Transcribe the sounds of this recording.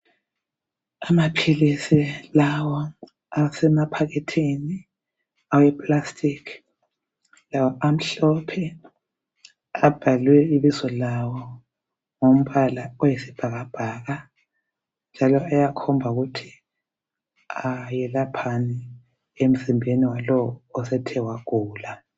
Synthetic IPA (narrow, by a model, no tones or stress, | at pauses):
amapʰilisilawɔ | asɛmapʰaɣɛtʰini | awɛpʼlastʰʼikʰ | lawɔʔam̩ɬɔpʰɛ | ab̥ʱalwɛiβizɔlawɔ | ŋom̩βalaɔjesib̥ʱaɣab̥ʱaːɣa | nd͡ʒʱalɔajakʰɔmbʱauɣutʰi̥ | ajɛlapʰanɛ | em̩zimbʱeniwalɔwːsɛtʰɛwaɣuːla